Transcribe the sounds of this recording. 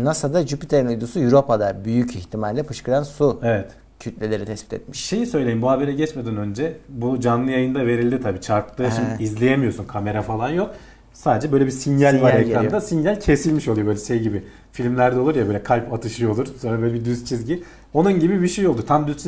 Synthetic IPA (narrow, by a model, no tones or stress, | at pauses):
nasad̪ad͡ʒypit̪ʰeɾinujd̪usujuɾo̞pad̪abyjycʰiçt̪ʰimalʲlʲɛpʰɯʃkɯɾansuevɛt̪ | cʰyt̪lʲelʲe̞ɾit̪ʰɛspi̥t̪ʰɛ̰t̪miʃʃe̞jisø̞jlʲe̞jimbuhabe̞ɾɛɟɛt͡ʃmed̪ɛnø̞nd͡ʒɛbud͡ʒanlˠɯjajɯnd̪ave̞ɾilʲd̪it̪ʰabiːt͡ʃʰaɾklˠɯinizlʲejemijo̞sunkʰame̞ɾafalˠanjo̞k̚ | saːd̪ed͡ʒɛbølʲebisinjalʲvaɾɾekɾand̪asinjælʲcʰe̞silʲmiʃolˠujoøjlʲɛʃejɟibɪ | filʲmlʲæɾd̪ɛlˠuɾjabøːlʲɛkʰalʲpat̪ʰɯʃɯjo̞lˠuɾso̞nɾabøjlʲɛbid̪yst̪t͡ʃʰizɟi | o̞nunɟibibiʃejo̞lˠd̪uɾt̪ʰamd̪y